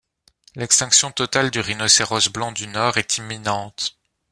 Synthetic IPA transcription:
lɛkst̪ɛ̃ksjɔ̃t̪ɔt̪ald̪yʁinɔseʁɔsblɑ̃d̪ynɔːʁɛt̪ʰimːinɑ̃t̪

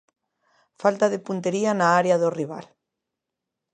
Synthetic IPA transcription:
falt̪aðepunt̪eɾianaaɾjaðoriβ̞a̰l

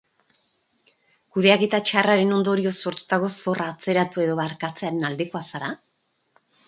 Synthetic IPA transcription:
kuðe̞aɣet̪at͡ʃaraɾe̞no̞nd̪o̞ɾio̞so̞ɾt̪u̥t̪aɣo̞so̞rʔaːt͡se̞ɾat̪ue̞ðo̞βaɾkat͡se̞aɾe̞nald̪e̞ko̞asaɾa

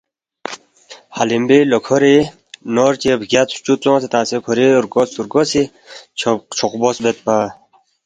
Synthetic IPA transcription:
halimbilɔkʰɔɾi | nɔɾt͡ɕebɡʲat͡s̪t͡ʃut͡sɔ̃ːset̪ãːsekʰɔɾiuɾɡɔsuɾɡɔsi | t͡ʃʰt͡ʃʰɔqbɔsbet̪̚pa

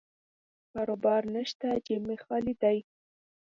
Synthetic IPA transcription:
kɑɾobɑɾnəʃt̪ad͡ʒɪmexɑlid̪aj

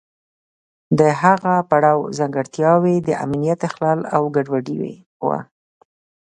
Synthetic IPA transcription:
d̪əɦaɣapaɽɑwzaŋɡaɽt̪jɑwed̪əʔa̰mnijat̪axlɑlawɡaɖwaɖiwḛ | wa̰

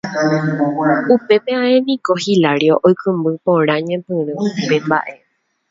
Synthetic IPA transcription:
upe̞peãẽnĩkohilaɾioʔojkɨ̃mbɨpõɾ̃ãɲẽpɨɾ̃ɨ̃upe̞mba̰ʔe

